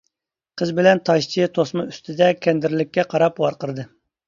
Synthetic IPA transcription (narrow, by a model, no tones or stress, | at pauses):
qʰəzbɪlɛnt̪ʰɑʃt͡ʃʰit̪ʰosmɨyst̪ʰɪd̪ɛkʲʰɛnd̪ɪɾlɪkʲːɛqʰɑɾɑpwɑɾqəɾd̪ɨ